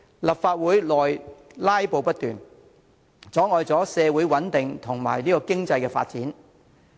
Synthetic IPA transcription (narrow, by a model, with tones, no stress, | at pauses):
lɐ˨p̚faː˧t̚wuː˨˥jlɔː˨jlaː˥jpo˨˧wpɐ˥t̚t̪yː˨˩n | t͡sɔː˨˥ŋɔː˨˧jt͡sɔː˨˥sɛː˨˧wu˨˥jwɐ˨˥nt̪ɪ˨ŋt̪ʰʊ˨˩ŋma̰ː˨˩jliː˥kɔː˧kɪ˥ŋt͡sɐ˧jkɛː˧fa̰ː˧t̚t͡siː˨˥n